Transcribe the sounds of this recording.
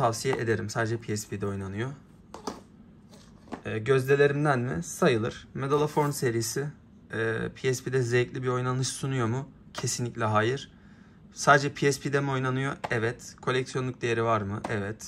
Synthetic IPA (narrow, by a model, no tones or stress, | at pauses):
t̪ʰavsijɛʔed̪e̞ɾimsaːd̪ed͡ʒɛpʰiɛspʰid̪ɛo̞jnanɯjo̞ | ɟø̞zd̪ʲe̞lʲe̞ɾimd̪ænmɪ̰sajɯlˠɯɾ̥me̞d̪alˠafoɾmse̞ɾijːsɪː | pʰiɛspid̪ɛzeclʲibio̞jnanˠɯʃsunujo̞mu | cʰe̞sinlʲiclʲɛɦaːjɯɾ̥ | saːd̪ed͡ʒɛpʰiɛspʰid̪ɛmio̞jnanɯjoɛvɛt̪kʰo̞lʲɛcsijonˠuk̚d̪e̞jeɾivaɾmɯʔɛvɛt̪